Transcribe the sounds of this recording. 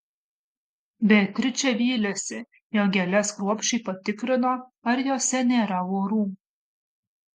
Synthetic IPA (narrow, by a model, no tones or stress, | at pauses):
bʲɛk̪ʲɾʲɪt͡ʃʲɛʋʲiːlʲɛsʲɪ | joːɡʲɛlʲɛskɾuɔpʲʃʲt͡ʃʲɛɪpɐt̪ʲɪkɾʲɪnoːɐɾjoːsʲɛnʲeːɾɐʋoːɾuːm